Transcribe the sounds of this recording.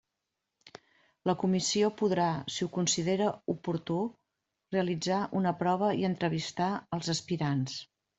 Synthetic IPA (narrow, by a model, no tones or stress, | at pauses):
ləkumisiopuðɾasiukunsiðeɾəupuɾt̪u | reəlid͡zaʔunəpɾɔβ̞əiənt̪ɾəβ̞ist̪aəlˠzəspiɾans